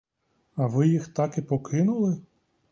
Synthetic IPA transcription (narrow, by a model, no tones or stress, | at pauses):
ɐʋɪjixt̪ɑkipɔkɪnʊlˠɪ